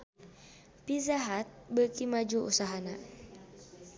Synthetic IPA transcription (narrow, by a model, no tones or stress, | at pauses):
pizaɦat̪̚bəkimad͡ʒuṵsaɦana